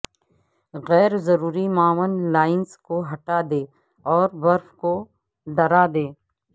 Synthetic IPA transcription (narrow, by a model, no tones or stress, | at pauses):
ɣɛːɾzɐɾuːɾimaːʋənlaːɪnskoɦɐʈad̪eː | ɔːɾbɐɾfko | ɖɐɾad̪eː